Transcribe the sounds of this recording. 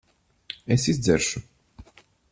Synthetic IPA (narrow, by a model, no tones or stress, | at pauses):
ɛsizd̪zɛɾʃu